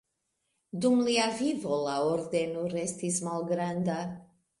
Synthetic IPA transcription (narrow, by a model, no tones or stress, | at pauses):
dumliavivo̞laoɾde̞noɾe̞stismalɡɾanda